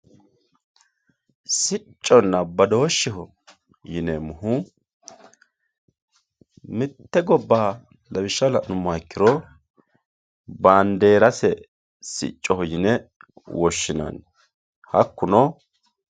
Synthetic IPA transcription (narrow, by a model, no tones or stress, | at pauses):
sɪt͡ʃʼːɔnːɐbɐd̪oːʃːɪɦɔ | jɪnɛmʊhʊ | mɪt̪ːɛɡɔbːaː | lɐbɪʃːɐlɐnʊmːɔɛkːɪɾɔ | baːnd̪eːɾɐsɛ | sɪ̰t͡ʃʼːɔhɔjɪnɛ | wɔʃːɪnɐ̰n | hɐkːʊnɔ